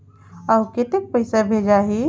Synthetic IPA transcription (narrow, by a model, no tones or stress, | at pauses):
əwket̪ek̚pəɪsabʱed͡ʒaɦi